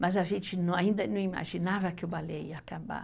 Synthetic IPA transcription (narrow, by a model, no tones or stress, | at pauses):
mãsaʒĩt͡ʃinũaĩnd̪anũima̰ʒinãβakeobalejakãmba̰